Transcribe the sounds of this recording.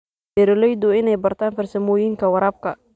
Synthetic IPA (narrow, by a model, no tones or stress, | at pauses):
d̪ɛɾɔlɛjd̪ʊɪnɛjbɐrt̪ʰaːnfɐrsɐmɔːjɪŋkʰɐwɐɾaːb̚kʰɐ